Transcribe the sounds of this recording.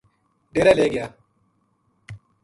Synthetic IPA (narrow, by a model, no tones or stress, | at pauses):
ɖeɾɐleːɡɪa